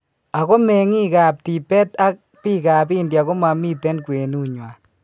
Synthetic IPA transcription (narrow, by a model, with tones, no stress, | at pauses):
a˨ɣɔ˦mɛ˨ŋi˦ka˨p̚ti˨pɛ˦t̪a˦k̚ | pi˦ka˨bi˦ndja˨ɣɔ˦ma˨mi˦tɛ˦nkwe˨nu˦ɲwa˨